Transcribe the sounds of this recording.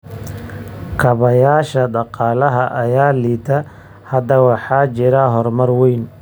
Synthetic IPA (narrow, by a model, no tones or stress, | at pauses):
kʰɐβɐjaːʃɐɖɑqɑːlɐɦɐʔɐjaːliːt̪ʰɐ | hɐd̪ɐwɑħɑːt͡ʃɪɾɐɦɔrmɐrwɛjn